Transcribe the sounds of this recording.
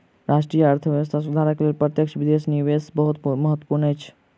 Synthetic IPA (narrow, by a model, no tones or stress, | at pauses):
ɾaːʃʈɾijəɐɾt̪ʰəʋjəʋs̬t̪ʰasud̪ʱaːɾəklelpɾət̪jəkʃʋɪd̪eːsniʋesbəɦut̪mɐɦət̪wə̥puɾnɛt͡ʃʰ